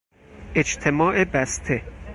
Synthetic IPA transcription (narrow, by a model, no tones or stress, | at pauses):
ʔed͡ʒt̪ʰemɒːʔebæst̪ʰe